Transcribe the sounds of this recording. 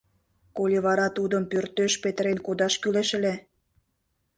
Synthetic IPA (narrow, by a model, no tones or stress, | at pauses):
kolʲiβɑɾɑt̪ud̪əmpørt̪øʃpet̪əɾenkod̪ɑʃkyleʃĕle